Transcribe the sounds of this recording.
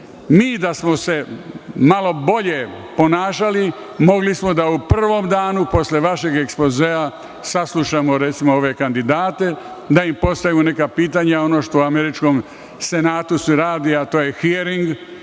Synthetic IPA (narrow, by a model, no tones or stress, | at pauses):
miːd̪asmo̞se̞malo̞bo̞ʎe̞po̞naːʃalimo̞ɡlismo̞d̪auprr̩ʋo̞md̪aːnupo̞sʎeʋaʃe̞ɡeksplozeːa | saslˠuʃamoɾet̪simoo̞ʋe̞kand̪id̪aːt̪e̞ | d̪aimpo̞st̪ajune̞kapiːt̪̬aɲao̞no̞ːʃt̪oameɾit͡ʃko̞m | se̞naːt̪useɾaːd̪iat̪oːjexieɾiŋɡ